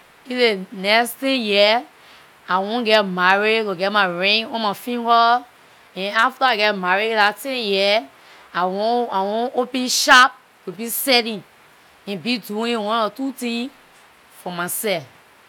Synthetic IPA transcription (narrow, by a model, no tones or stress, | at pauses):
ĩdenɛstĩji | awɔ̃nɡɛtmaɹidɡoɡɛtmaɹɛ̃ɔ̃mafĩŋɡɔ | ɛ̃naftaaɡɛtmaɹilatĩji | awɔ̃awɔ̃opɛ̃nʃap̚ | wobisɛɾĩn | ĩbiduĩwɔ̃nɔtutĩ | fɔmasɛf